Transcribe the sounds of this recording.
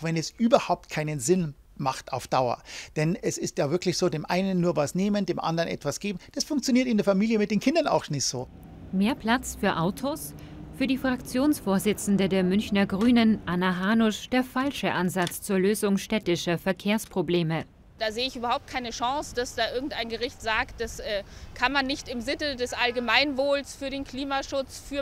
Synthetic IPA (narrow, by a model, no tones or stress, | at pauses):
vɛnɛsʔyːbɐhaʊp̚t̚kʰaɪnənzɪn | maχta̰ʊfd̥aʊɐ̰d̥ɛnɛsɪstjaːvɪɐklɪçz̥oːdeːmʔa̰ɪnənːuːɐvasneːməndeːmʔa̰ndəʁənʔɛ̰tv̥asɡ̥eːbm̩d̥asfʊŋk̚t͡sjoniːɐtɪndeɐfamiːljəmɪt̚d̥eːnkʰɪndɐna̰ʊxʃnɪz̥o̰ː | meːɐpl̥at͡sfyːɐʔaʊtʰos | fyːɐdiːfʁ̥akt͡sjoːnsfoːɐzɪt͡sn̩dədeːɐmʏnçnɐɡʁyːnənʔanaɦaːnʊʃd̥eːɐfalʃəʔanzat͡st͡suːɐløːzʊŋʃtɛtɪʃɐfɛɐkʰeːɐspʁ̥obleːmə | d̥aːzeːəɪçʔyːbɐhaʊp̚t̚kʰaɪnəʃɑŋsd̥asd̥aːʔɪɐɡŋ̩tʔaɪnɡəʁɪçtz̥aːktd̥asʔɛːkʰanmanːɪçtɪmzɪnədɛsʔalɡəmaɪnvoːlsfyːɐɾeːnkʰl̥iːmaʃʊt͡sfyːɐ